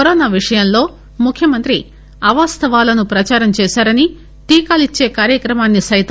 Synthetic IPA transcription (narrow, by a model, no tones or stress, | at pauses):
ɔɾoːnaːʋiʂɐjɐmlo̞ː | mukʰjɐmɐnt̪ɾi | ɐʋaːst̪ɐʋaːlɐnupɾɐt͡ʃaːɾɐmt͡ʃɛːsaːɾɐni | t̪iːkaːlit͡ʃːe̞ːkaːɾjɐkɾɐmaːnːisɐjt̪